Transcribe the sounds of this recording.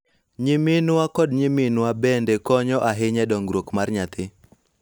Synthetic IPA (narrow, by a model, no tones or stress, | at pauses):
ɲimɪnwakɔdɲimɪnwabɛndɛkɔɲɔʔaɦɪɲɛdɔŋɡɾokmarɲat̪ʰɪ